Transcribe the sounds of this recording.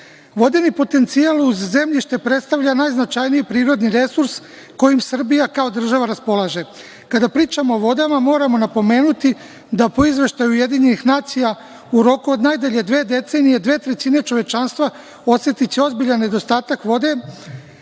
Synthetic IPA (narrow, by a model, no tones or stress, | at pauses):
ʋo̞d̪enipo̞t̪e̞nt̪sialˠuzːe̞mʎiʃt̪e̞pɾe̞t̪st̪aʋʎanajznat͡ʃajniipɾiːɾo̞d̪niɾe̞suɾs | ko̞jimsr̩bijakao̞d̪r̩ʒaʋaɾaspo̞lˠaʒe̞ | kad̪apɾiːt͡ʃamo̞ːʋo̞d̪amamo̞ːɾamo̞napo̞me̞ːnut̪i | d̪apo̞izʋe̞ʃt̪ajuje̞d̪iɲe̞nixnaːt̪sija | uɾo̞kuo̞d̪najd̪eʎe̞d̪ʋe̞ːd̪e̞t̪se̞ːnije̞d̪ʋe̞ːt̪ɾe̞t͡ɕine̞t͡ʃo̞ʋe̞t͡ʃanst̪ʋa | o̞sje̞t̪it͡ɕeo̞zbiʎanːe̞d̪o̞st̪aːt̪akʋo̞d̪e̞